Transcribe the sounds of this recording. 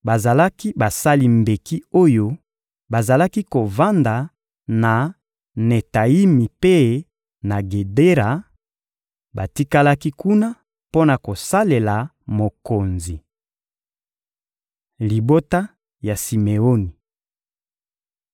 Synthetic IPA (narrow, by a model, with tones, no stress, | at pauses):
ba˨za˨la˦ki˦ba˨sa˦li˨mbe˨ki˦o˦jo˦ | ba˨za˨la˦ki˦ko˨va˦nda˨ | na˨ | ne˨ta˨i˦mi˨pe˦ | na˨ɡe˨de˦ʁa˨ | ba˨ti˦ka˦la˦ki˦ku˦na˦ | po˦na˨ko˨sa˦le˨la˨ | mo˨ko˨nzi˨ | li˨bo˦ta˦ | ja˨si˨me˨o˦ni˨